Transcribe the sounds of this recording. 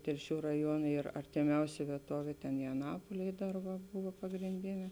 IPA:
tʲɛlʲˈʃʲuː rɐˈjuɔnɐ ˈiːr ɐrʲtʲɪˈmʲɛʊsʲɛ ʋʲiɛˈtoːʋʲeː tʲɛn jɛˈnɑːpoːlʲeːj ˈdɐr ʋɐ ˈbuːʋɐ pɐɡrʲɪnʲˈdʲɪnʲeː

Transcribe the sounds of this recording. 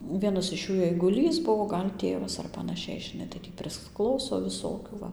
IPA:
ˈʋʲiɛnɐs ɪʃ ˈjuː ɛɪɡʊˈlʲiːs ˈbuɔ ˈɡɐlʲ ˈtʲeːʋɐs ɐr pɐnɐˈʃʲɛɪ ʒʲɪˈnɐɪ tɐɪ ˈtʲiː pʲrʲɪsˈklˠɐʊsoː ʋʲɪˈsoːkʲuː ˈʋɐ

